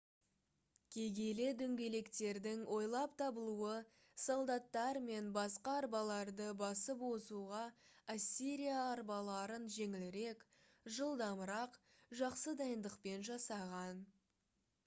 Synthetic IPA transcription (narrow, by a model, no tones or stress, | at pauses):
kʲʰe̞ɡʲe̞le̞d̪ʏŋɡʲe̞le̞kt̪e̞ɾd̪ɪŋwʔo̞jlˠɑpt̪ʰɑbəlˠuə | solˠd̪ɑt̪ːɑɾme̞nbɑsqɑɑɾbɑlˠɑɾd̪əbɑsəpwo̞suʁɑasʲːiɾijaːɾbɑlˠɑɾənʒe̞ŋɪlɪɾe̞k | ʒəlˠd̪ɑməɾɑq | ʒɑqsəd̪ɑjənd̪əqpe̞nʒɑsɑʁɑn